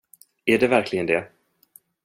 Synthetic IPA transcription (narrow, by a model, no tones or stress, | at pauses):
æɖɛvæɾkʰlɪɡənd̪ɛ